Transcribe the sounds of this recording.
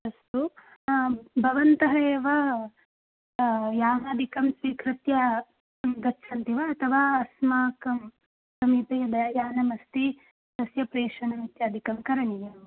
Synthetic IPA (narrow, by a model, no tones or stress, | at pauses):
ɐst̪u | bʱɐʋɐnt̪ɐɦɐeːʋɐ | jaːɦaːd̪ʱikɐmsʋikʰɾɪt̪jɐ | mɡɐʃʰɐnt̪iʋɐːt̪ʰɐʋaːɐsmaːkɐm | sɐmipɐjɐd̪ɐjaːnɐmɐst̪i | d̪ɐsjɐpɾeːʂɐnɐmit̪jaːd̪ʱikɐmkɐɾɐɳijɐm